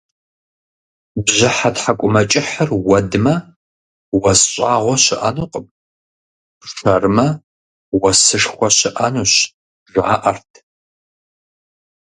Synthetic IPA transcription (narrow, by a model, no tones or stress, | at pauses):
bʑɪħatħakʷʼʊmɐt͡ʃʼɪħərwɐdɨmɐ | wɐsɕʼaːʁʷɔɕɪʔɐnuːqʼəm | ʂɐrɨmɐ | wɐsɨʂxʷɔɕɪʔɐnuːɕ | ʒaːʔɐrtʰ